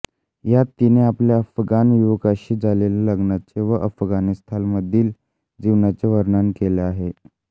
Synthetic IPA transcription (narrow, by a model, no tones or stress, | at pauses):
jat̪ːineapljaəfɡanʋuʋəkaɕiːd͡zʱaleljaləɡnat͡seʋəʔəfɡanist̪ʰalməd̪ʱːiːl | d͡ʑiʋnat͡seʋəɾnankeleaɦe